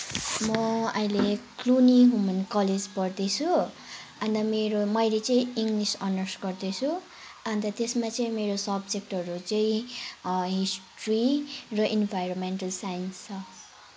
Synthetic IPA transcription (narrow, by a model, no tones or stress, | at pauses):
mʌʌjlekluniɦumʌnkʌled͡zpʌrd̪et͡sʰu | ant̪ʌmeɾomʌjlet͡sʌĩiŋɡlisʌnʌsɡʌrd̪et͡sʰu | ant̪ʌt̪esmat͡sʌĩmeɾosʌbd͡zek̚ʈʌɾut͡sʌĩ | ɦisʈrirʌʔinbʱajɾomenʈʌlsajnst͡sʰʌ